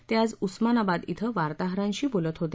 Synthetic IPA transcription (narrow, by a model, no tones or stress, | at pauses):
t̪jad͡zusmanabad̪it̪ʰəʋaɾt̪aɦɾãɲɕiːbolət̪ɦot̪e